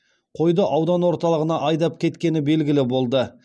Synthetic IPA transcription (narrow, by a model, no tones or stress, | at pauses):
qʰo̞jd̪əʔɑwd̪ɑnwo̞ɾt̪ɑlˠəʁənɑʔɑjd̪ɑp̚kʲʰe̞t̪kʲe̞nɪbe̞lɡʲɪlɪbo̞lˠd̪ə